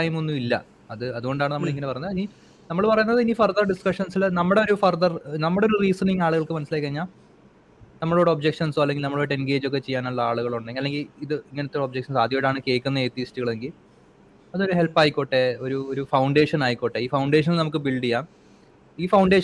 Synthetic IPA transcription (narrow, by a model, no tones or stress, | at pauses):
ajimonːuilːɐ̰ | ɐðɨɐðuɣo̞ɳɖaːɳɨnɐmːɐɭiŋːɐnepɐrɐjunɐðini | nɐmːɐɭpɐrɐjunːɐðɨinifɐrðɐrɖiskɐʂɐnsilnɐmːɐɽeo̞ɾufɐrðɐrnɐmːɐɽeoɾuriːsɐniŋaːɭuɣɐɭkɨmɐnɐsilaːjkʲːɐriɲːaː | nɐmːɐɭoɽeo̞bd͡ʑekʂɐnsoɐlːeŋɡilnɐmːɐɭoːɽenɡe̞ːd͡ʑo̞k̬ːe̞t͡ɕe̞jːaːnuɭːɐaːɭuɣɐɭoɳɖeɐlːe̞ŋɡiliðɨiŋːɐnet̪ːoɽeobd͡ʑek̚ʂɐnsaːd̪ʱjɐoɽaːɳɨke̞ːkʲːunːɐeːt̪ːistiɣɐɭe̞ŋɡil | ɐðo̞ɾuɦe̞lpːaːjikʲːoʈːe̞o̞ɾuoɾufɐwɳɖe̞ːʂɐnaːjikːoʈːe̞iːfɐwɳɖe̞ːʂ̬ɐnilnɐmuk̬ːɨbiɭɖijaː | iːfɐwɳɖe̞ːʂ